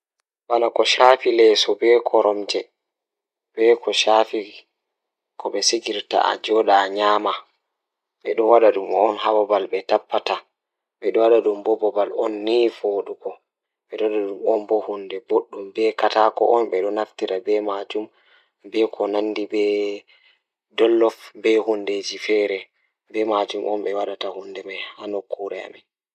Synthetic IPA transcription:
wanakɔʃaːfilɛsɔbɛkʰɔɾɔmd͡ʒɛ | bɛkʰɔʃaːfi | kʰɔɓɛsiɡiɾta̰a̰d͡ʒɔɗaɲaːma | ɓɛɗɔwaɗaɗumɔnhawɔbalbɛtapːata | ɓɛɗɔwaɗaɗumbɔbɔbalɔnːifoːɗuɡɔ | ɓɛɗɔwaɗaɗumɔnbɔhundɛboɗːumbɛkatakɔ̰ʔɔnɓɛɗɔnaftiɾabɛmad͡ʒum | bɛkʰɔnanːdibɛ | dɔlːɔfbɛhunded͡ʒifɛːɾɛ | bɛmad͡ʒumʔɔnɓɛwaɗatahundɛmajhanokʰːuɾɛa̰mi

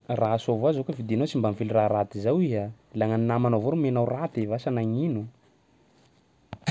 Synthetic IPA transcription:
rasovazokəvid̪inowt͡simbamfiliraɾat̪izawiɦa | laŋaninamanovoɾumenawrat̪evasanaŋinu

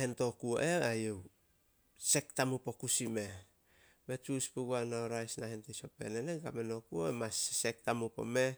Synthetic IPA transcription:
hento̞kuo̰ʔe̞ajew | se̞ktamupo̞kusime̞ | me̞t͡ʃuspuɡuanaoɾajsnahentiso̞pe̞̰neneɡameno̞kuoemasse̞k̚tamupo̞̰me̞

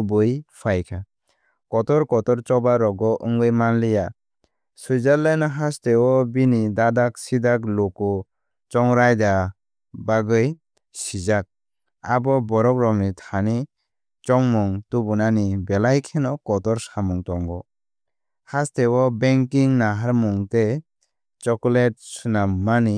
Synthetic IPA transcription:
bɯjpʰajkʰa | kɔtɔɾkɔtɔɾt͡ʃɔbaɾɔɡɔʔɯŋɡɯjmanlija | sujzalːajnaɦastewɔbinidadak̚sidaklɔkɔ | t͡ʃɔŋɾajda | baɡɯj | sizak̚ | abɔbɔɾɔk̚ɾɔŋnitʰani | t͡ʃɔŋmuŋtubunanibelajkʰenɔkɔtɔɾsamuŋtɔŋɡɔ | hastewɔbeŋkiŋnaɦaɾmuŋte | t͡ʃɔkɔlet̚sunamani

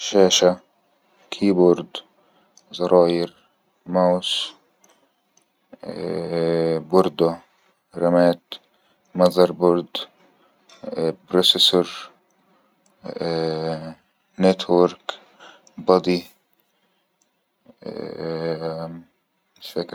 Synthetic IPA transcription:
ʃaːʃa | kʰiːbʊɾd̪ | zɑɾˤɑːjɪɾ | maws | bʊɾd̪a | ɾamaːt̪ | mɑzɑɾbʊɾd̪ | bɾosesʊɾ | net̪ʰwoɾk | bɑd̪i | fɪk

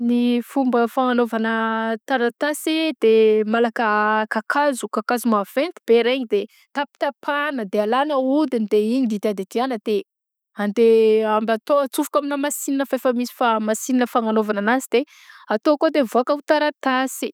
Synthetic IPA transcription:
nifumbəfaŋanovanət̪aɾat̪asid̪̥emalakəkakazukakazumav̥ent̪ib̥eɾeɲid̪e | t̪api̥t̪apʰanəd̪ealanəud̪inid̪eiɲid̪id̪iad̪ed̪ianəd̪̥e | and̪eambat̪oat͡sufukaminamasininəfafəmisi̥famasininəfaŋanovananazid̪e | at̪okod̪evoakəut̪aɾat̪asi̥

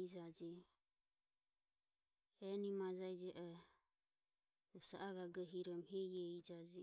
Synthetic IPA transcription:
id͡ʒad͡ʒi | hɛnimad͡ʒajd͡ʒɛʔɔ | ɔsa̰ʔaɡaɡɛɦiɾɔmhɛjɛid͡ʒad͡ʒi

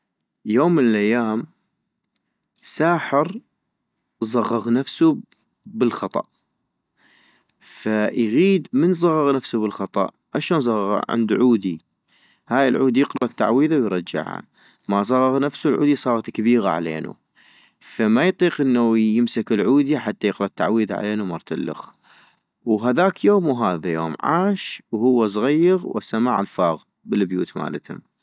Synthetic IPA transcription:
joːmːɪnɪlʔajːaːm | saːħɪɾ | zˤɑɣːɑɣnafsu | bɪlxɑt̪ˤɑ̰ʔ | fajɣiːd̪mənzˤɑɣːɑɣnafsubəlxɑt̪ˤɑ̰ʔ | ʔaʃaːnzˤɑɣːɑɣa̰ʕɪ̰nd̪uʕuːd̪i | haːjɪlʕuːd̪ijɪqlɑʔt̪ːa̰ʕwiːðawjɾˤɑd͡ʒːa̰ʕha̰ | masˤɑɣɑɣnafsulʕṵːd̪isˤɑːɾˤɑt̪kabiːɣaʕa̰lḛːnṵ | famajt̪ˤiːqʔənːajɪmsakɪlʕuːd̪iaħat̪ːajɪqɾɑt̪ːaʕwiːðaʕa̰leːnumɑɾˤt̪alːʊ̰x | wɦaðaːkjoːmuɦaːðajo̰ːmʕa̰ːʃwhʊwːas̬ˤɣajːɪɣwʔasamaʕa̰lfaːɣ | bɪlbjṵːt̪ma̰ːlat̪hʊ̰m

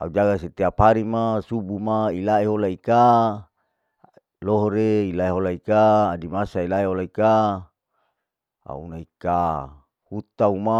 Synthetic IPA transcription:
aud͡ʒaɡaset̪eapaɾimasubumailaeɦolaika | loɦoɾeilaeɦolaikaːdimasailaeɦolaika | a̰ṵnaika | hut̪auma

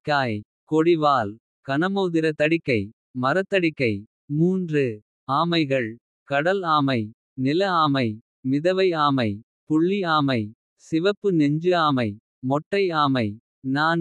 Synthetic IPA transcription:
kaːj | kɔɽɪʋaːl | kɐnɐmoːðɪɾɐt̪ɐɽɪkːɐɪ | mɐɾɐt̪ːɐɽɪkːɐɪ | muːndrɯ | aːmɐɪɣɐɭ | kɐɽɐlaːmɐɪ | nɪlɐaːmɐɪ | mɪðɐʋɐɪaːmɐɪ | pʊɭːiaːmɐɪ | sɪʋɐpːɯnɛɲd͡ʒɯaːmɐɪ | mɔʈːɐɪaːmɐɪ | naːn

